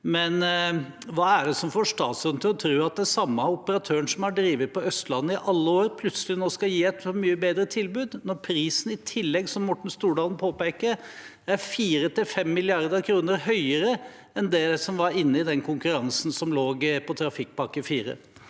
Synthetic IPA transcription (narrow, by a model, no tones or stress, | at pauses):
mɛn | ʋɑːæɖɛsɔmfoːʂt̪ɑːt̪sʉnət̪ʰɪlɔt̪ʰɾʉːɑt̪̚d̪ɛsɑmːɑʊpəɾɑt̪ʰøːəɳsɔmhɑɖɾiːʋət̪̚pʰɔœst̪lɑnːəɪʔɑlːəoːɾəpʰlʉt̪səlɪnoːskɑjiːɛt̪fɔmyːəbeːd̪ɾət̪ʰɪlbʉːd̪nɔɾpʰɾiːsn̩ɪt̪ʰɪlːɛɡsɔmmɔʈːɳ̩st̪uːɖɑːln̩pʰoːpeːkəɾ | æɾfiːɾət̪ɪlfɛmːɪlɪɑɾd̪əkʰɾuːnəɾɦœʏəɾə | ɛnd̪ɛsɔmʋɑɾɪnːəɪd̪ɛnkʰʊŋkʉɾɑŋsn̩sɔmloːɡpʰɔt̪ʰɾɑfɪk̚ːpɑkːəfiːɾə̰